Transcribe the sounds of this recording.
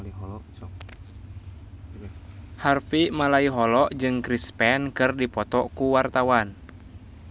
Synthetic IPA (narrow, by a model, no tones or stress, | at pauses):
i | harfimalaiɦɔlɔʔd͡ʒɨŋkɾispɛnkɨrdipɔt̪ɔkuwart̪awan